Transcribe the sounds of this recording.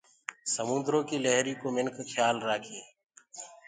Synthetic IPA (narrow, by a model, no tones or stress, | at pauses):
səmʊ̃nd̪ɾõːkiːləɦɾiːkoːmɪŋkʰkʰjaːlɾaːkʰeː